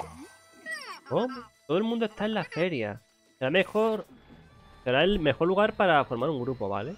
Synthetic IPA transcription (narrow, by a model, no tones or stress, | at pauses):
omet̪o̞ð̞oelmũnd̪oe̞st̪aenlafe̞ɾja̰ | seɾamexo̞ɾ | se̞ɾaelme̞xo̞ɾluɣaɾpaɾafo̞ɾmaɾuŋɡɾupo̞βa̰le